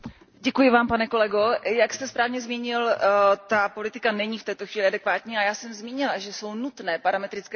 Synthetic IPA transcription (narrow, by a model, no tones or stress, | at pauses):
ɟɛkujɪvaːmpanɛko̞lɛɡojakst̪ɛspɾaːvɲɛzmiːɲɪlt̪apo̞lɪt̪ɪkanɛɲiːft̪ɛːt̪oxviːlɪʔadɛkvaːt̪ɲiːajaːsɛmzmiːɲɪlaʒɛso̞wnut̪nɛːpaɾamɛt̪ɾɪt͡skɛ